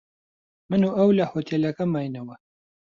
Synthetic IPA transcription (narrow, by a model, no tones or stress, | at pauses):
mɨnuʔɐwlɐhot̪ʰelɐkɐmaːjnɐwɐ